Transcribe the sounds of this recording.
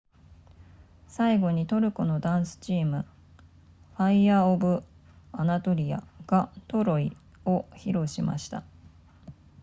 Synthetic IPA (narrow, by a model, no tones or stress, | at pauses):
saiɡo̞ɲ̟it̪o̞ɾɯ̟ko̞no̞d̪ãɰ̃sɨ̥t͡ɕiːmɯ̟ | ɸaiaːobɯ̟ | anat̪o̞ɾʲija̰ɡ̥at̪o̞ɾo̞i | o̞çiɾo̞ɕima̰ɕi̥t̪a